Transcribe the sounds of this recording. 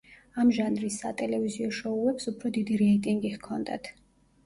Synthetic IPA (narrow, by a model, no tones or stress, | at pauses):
amʒanɾisːa̰t̪ʼɛlɛviziɔʃɔuɛpsupʰɾɔd̪id̪iɾɛit̪ʼiŋɡihkʰɔnd̪a̰t̪ʰ